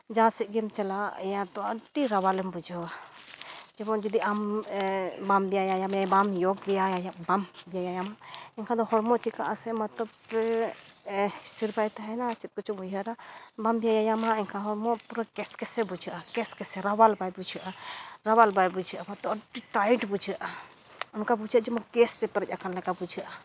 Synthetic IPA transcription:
d͡ʒãsɛʔ̚ɡɛmt͡ʃalajat̪ɔəɖiɾawalɛmbud͡ʒawa | d͡ʒɛbɔd͡ʒɔd̪iʔam | bambijajajamjajbamjɔɡ̚bijajajaʔ̚bambijajajamɛŋkʰad̪ɔhɔɾmɔʔt͡ʃikaʔasɛmat̪ɔbɾ | st̪ʰiɾbajt̪aɦɛnat͡ʃit̪̚kɔt͡ʃumujaɾabambijajajamãiŋkʰãɦɔɾmopuɾakeskesebud͡ʒiʔakeskeseɾawalbajbud͡ʒʰiʔaɾawalbajbud͡ʒʰiʔamat̪ɔɖiʈaiʈbud͡ʒʰiʔa | unkabud͡ʒid͡ʒɛmɔ̃kest̪epəɾət͡ʃʲakanlakabud͡ʒʰʱia

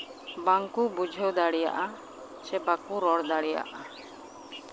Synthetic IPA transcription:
baŋkubud͡ʒʱɛwd̪aɽija̰ʔa | t͡ʃɛbakuɾɔɽd̪aɽija̰ʔa

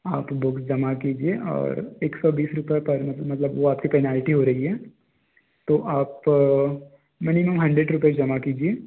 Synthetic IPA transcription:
aːpbʊksd͡ʒɐmakiːd͡ʒieɔ̰ːɾeːksɔbiːsɾʊpepɐɾmɐt̪ləmɐt̪ləbʋoaːp̚kipɛːnaːlɪʈiɦoɾɐɦiɦɛː | t̪oːʔaːp | mɪnɪməmɦɐ̃ɳɖɾeɖɾʊped͡ʒɐmakiːd͡ʒieː

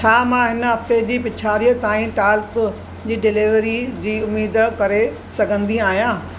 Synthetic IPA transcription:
t͡ɕʰaːmãɦɪnəɦɐft̪ed͡ʑiːpɪt͡ɕʰaːɾijət̪aːĩʈaːlk | d͡ʑiːɖɪliʋɾid͡ʑiːʊmiːd̪̆kɐɾe | sɐɡʱə̃nd̪iaːɦijãː

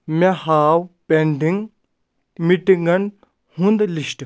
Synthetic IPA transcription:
mehaːwpeɳɖiŋɡ | miʈiŋɡɐn | hũnd̪liʃʈ

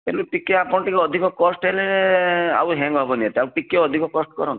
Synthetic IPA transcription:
peluʈikeapɔɽɔʈikeɔd̪ʱikɔkɔsʈɦele | a̰wɦɛŋɡbʱɔbɔniet̪ɛawʈikːeɔd̪ʱikɔkɔsʈkɔɾɔn

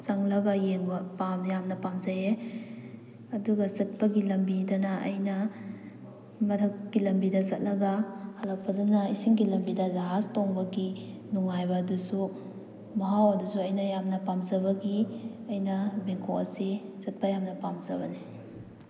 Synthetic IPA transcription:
saŋlɐɡɐjeŋbɐpamjamnɐpamzaje | ɐduɡɐzɐt̚pɐɡilɐmbidɐnɐʔɐ̰jnɐ | mɐtʰɐkkilɐmbidɐsɐt̚lɐɡɐhɐlak̚pɐdanɐisiŋɡilɐmbidɐzaɦastoŋbɐɡinuŋajbɐːdusu | mɐɦawɐdusuɐjnɐjamnɐpamzɐbɐɡiɐjnɐbeŋkʰoɐ̰sizɐt̚pɐjamnɐpamzɐbɐni

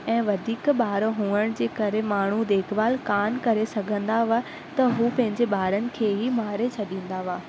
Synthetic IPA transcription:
ɛ̃ːʋɐd̪ʱiːkɓaːɾɦũːəɽ̃d͡ʑeːkɐɾemaːɳ̤ud̪eːkʰʋaːlkaːnkɐɾesɐɡʱə̃nd̪aʋaː | t̪ɐɦuːpɐ̃ɦɪ̃ɲd͡ʑeɓaːɾənɪ̆kʰeːɦimaːɾet͡ɕʰɐɗĩːn̆d̪aʋaː

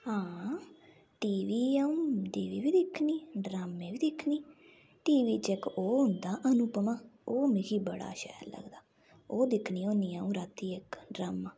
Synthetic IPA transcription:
hãː | ʈiːʋiːaːũːɖiːʋiːʋiːd̪ɪkʰːniːɖɾaːmːẽːʋiːd̪ɪkʰniː | ʈiːʋiːt͡ʃɛkoːɦʊnd̪aːʔənupəmaːoːmɪkiːbəɽa̰ːʃɛ̰ːllə̰ɡd̪aː | oːd̪ɪkʰniːoːniːaːũːɾaːt̪iːɪkɖɾaːmaː

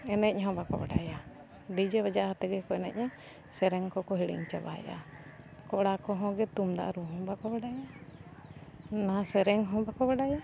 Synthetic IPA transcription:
ɛnɛc̚ɦɔ̃bakɔ̰bɛ̰ɖa̰ja | ɖid͡ʒɛbad͡ʒaʔhat̪ɛɡɛkɔɛnɛ̰c̚ɲa | sɛɾɛŋkɔkɔɦiɽḭŋt͡ʃaba̰ja̰ | kɔɽakɔɦɔ̃ɡɛt̪umd̪a̰ʔɾuɦɔ̃bakɔbɛɖaja | nasɛɾɛŋɦɔ̃bakɔbɛɖaja

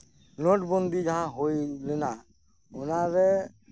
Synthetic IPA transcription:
nɔʈbɔnd̪ʱid͡ʒaɦãɦojlɛna | ʊnaɾɛ

